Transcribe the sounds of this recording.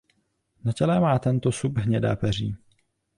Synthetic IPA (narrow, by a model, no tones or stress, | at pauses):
nacɛlɛmaːt̪ɛnt̪osupɦɲɛda̰ːpɛr̝iː